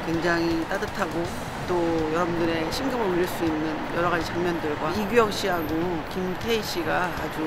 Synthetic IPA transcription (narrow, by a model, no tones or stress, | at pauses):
kwe̞ŋd͡ʑaŋit͈adɯtʰaɡo | t͈ojʌɾʌbundɯɾe̞ɕʰinɡɯmɯuʎːiɭs͈uinːɯnjʌɾʌɣad͡ʑit͡ɕaŋmɲʌndɯɭɡwaiɡijʌkɕ͈iɦaɡokimtʰe̞iɕ͈ʰiɡaːd͡ʑu